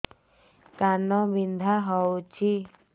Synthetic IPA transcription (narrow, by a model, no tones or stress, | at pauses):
kanɔbind̪ʱaɦɔwt͡ʃʰi